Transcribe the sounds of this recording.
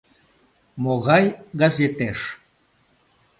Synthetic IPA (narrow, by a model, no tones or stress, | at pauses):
moɣɑjɡazet̪eʃ